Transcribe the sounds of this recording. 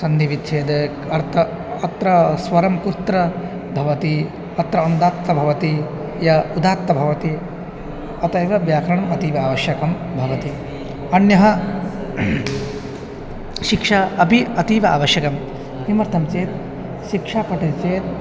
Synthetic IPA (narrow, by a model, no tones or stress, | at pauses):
sɐnd̪iʋit̪t͡ʃʰeːd̪e | ɐɾt̪ʰɐ | ɐt̪ɾɐsʋɐɾɐmkuɾt̪ɾɐ | bʱɐʋɐt̪i | ɐt̪ɾɐɐnd̪aːt̪ːɐbʱɐʋɐt̪i | jɐud̪ʱaːt̪ːɐbʱɐʋɐt̪i | ɐt̪ɐjʋɐbjaːkɾɐɳɐmɐt̪iːʋɐaːʋɐʃjɐkɐm | bʱɐʋɐt̪i | ɐnjɐɦɐ | ʃikʂaɐpiɐt̪iːʋɐa̰ːʋɐʃjɐkɐm | imɐɾt̪ʰɐmt͡ʃeːt̪ | ʃikʂaːpɐʈit̪t͡ʃeːt̪̚